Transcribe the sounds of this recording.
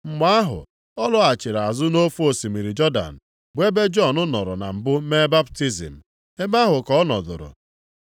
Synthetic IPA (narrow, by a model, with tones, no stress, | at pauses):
m̩˨ma˦a˦ɦʊ̰˨ | ɔ˦lʊ˦a˨t͡ʃɪ˨ɾa˨a˨zʊ˦no˦fu˦o˨si˨mi˨ɾi˨d͡ʒɔ˦da̰˨n̩˨ | be˦be˦d͡ʒɔ˦˨nʊ˦nɔ˨ɾʊ̰˨na̰˨m̩˨bʊ˦me˦ba˦bti˦zḭ˨m̩˨ | e˦ma˦ɦʊ˨kɔ˨ɔ˦nɔ˨dʊ̰˨ɾʊ̰˨